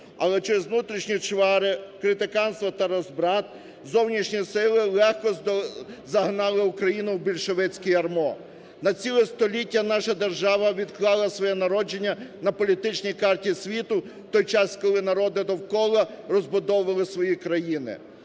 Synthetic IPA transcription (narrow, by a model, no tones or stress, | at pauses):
ɐlˠɛt͡ʃeɾɛzʋnut̪ɾʲiʃnʲit͡ʃʋɑɾɪkɾɪt̪ɪkɑnst̪ʋɔt̪ɐɾɔzbɾɑt̪̚ | zɔwnʲiʃnʲijsɪlˠɪlˠɛxkɔ | zɐɦnɑlˠɪukɾɐjinʊwbʲilʲʃeʋɛt͡sʲkɪjɐrmɔ | nɐt͡sʲilˠɛst̪ɔlʲitʲːɐnɑʃɐd̪erʒɑʋɐʋʲid̪klˠɑlˠɐsʋɔjɛnɐɾɔd͡ʒenʲːɐnɐpɔlʲit̪ɪt͡ʃnʲijkɑrtʲisʲʋʲit̪ʊ | t̪ɔjt͡ʃɑskɔlˠɪnɐɾɔd̪ɪd̪ɔwkɔlˠɐrɔzbʊd̪ɔʋɐlˠɪsʋɔjikɾɐjinɪ̰